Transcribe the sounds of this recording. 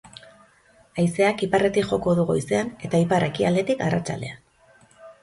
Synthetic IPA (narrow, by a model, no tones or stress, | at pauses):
ajse̞akipare̞t̪ikʝo̞ko̞ðuɣo̞jse̞ane̞t̪aipare̞kia̰ld̪e̞t̪ikarat͡ʃa̰ld̪e̞an